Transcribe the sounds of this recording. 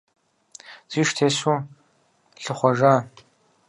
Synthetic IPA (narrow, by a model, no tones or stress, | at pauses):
z̥iːʃtʰeːsu | ɬɨχʷɔʒaː